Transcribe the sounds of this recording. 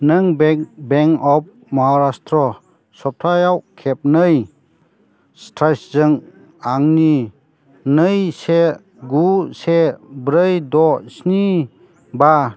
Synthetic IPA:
nɯŋbbeŋɔp̚ | mɔɦaɾastʰɾɔ | sɔp̚tʰajawkʰep̚nɯj | stʰɾajszɯŋ | aŋni | nɯjse | ɡusebɾɯjdɔsni | ba

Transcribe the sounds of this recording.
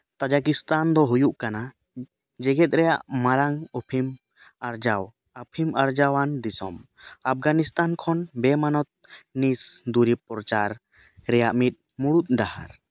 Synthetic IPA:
t̪ad͡ʒak̬ist̪and̪ɔɦujuʔkana | d͡ʒɛɡɛt̪̚ˀɾɛjaʔmaɾaŋɔpʰim | aɾd͡ʒaw | apʰimaɾd͡ʒawand̪isɔm | ap̚ʰɡanist̪ankʰɔnbɛmanɔt̪̚nisd̪uɾipɾɔt͡ʃaɾ | ɾɛjaʔmit̪̚ˀ | muɽut̪̚ˀd̪aha̰ɾ

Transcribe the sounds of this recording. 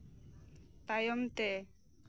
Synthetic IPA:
t̪ajɔmt̪e

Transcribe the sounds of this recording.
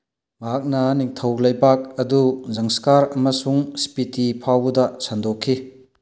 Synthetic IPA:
mɐɦak̚nɐniŋtʰɐwlɐjbak̚ɐduzɐŋskaɾɐmɐsuŋsi̥pitipʰawdɐsandokʰːi

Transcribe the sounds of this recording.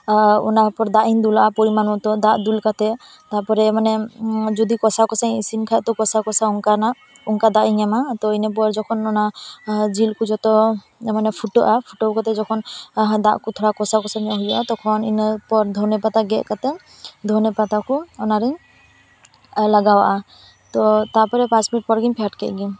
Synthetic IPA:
ɔ̰napɔɾd̪aʔind̪ulaapɔɾimanɔt̪ɔd̪aʔd̪ulkat̪ɛ | t̪aɾpɔɾɛmanɛd͡ʒɔd̪ikɔsakɔsãisinkʰaɛt̪ɔkɔsakɔsauŋkana | ɔŋkad̪aʔiɲɛmat̪ɔinep̬ɔɾd͡ʒɔkʰɔnɔnad͡ʒilkud͡ʒɔt̪ɔ | ɛmanɛpʰuʈɔʔapʰuʈokɔt̪ɛd͡ʒɔkʰɔnd̪a̰ʔkut̪ʰɔɾakɔsakɔsamjɔɦujaʔat̪ɔkʰɔnḭnpɔɾd̪ʱɔnɛpat̪aɡɛʔkat̪ɛ | d̪ʱɔnɛpat̪akuɔnaɾɛ | laɡawaʔa | t̪ɔt̪aɾpɔɾɛpãt͡ʃminiʈ̚pɔɾɡinpʰaʈkɛ̰ʔɡiɲ

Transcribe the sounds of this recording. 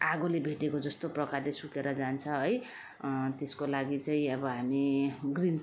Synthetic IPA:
aɡolebʱeʈekod͡zʌst̪oprʌkarlesukeɾʌd͡zant͡sʰʌɦʌj | t̪eskolaɡit͡saĩʌbʌɦamiɡrin

